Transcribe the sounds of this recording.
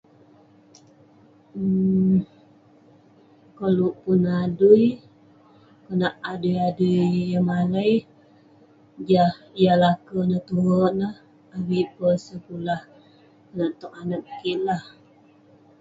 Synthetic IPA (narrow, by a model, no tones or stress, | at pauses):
kaluʔpunaduj | kənaʔadujaduːəmaləj | d͡ʒahjalakənət̪uɦəʔnəh | awiʔpəsəkulah | kənaʔt̪ɔkanak̚kiʔlah